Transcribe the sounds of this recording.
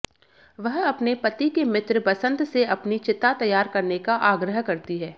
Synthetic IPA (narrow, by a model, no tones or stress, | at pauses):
ʋɐɦɐpnepɐt̪ikemɪt̪ɾbɐsə̃nt̪seɐpnit͡ʃɪt̪at̪ɐjːaːɾkɐɾnekaʔaːɡɾəɦkɐɾt̪iɦɛː